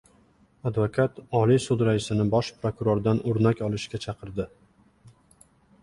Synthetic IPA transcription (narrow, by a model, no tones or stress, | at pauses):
ad̪vokʰat̪ɒlisʊd̪ɾaɪsɪnɪbɒʃpɾokʊɾoɾd̪anʊɾnakʲɒlˠɪʃkʲat͡ʃʰɑqʰɨɾd̪ɪ